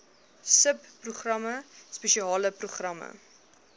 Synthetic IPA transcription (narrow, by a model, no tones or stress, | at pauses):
səpːruχrɐməspəʃiɑːləpruχrɐmə̰